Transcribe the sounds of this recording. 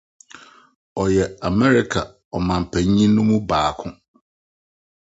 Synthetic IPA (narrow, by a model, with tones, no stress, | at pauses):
ɔ˨jɛ˨a˨mɛ˦ɾɪ˦kʰa˨ | ɔ˨mã˨m̩˨pʰæ̃˨ɲ˦ɲĩ˦nʊ̃˦mũ˦baː˨kʰʊ̃˦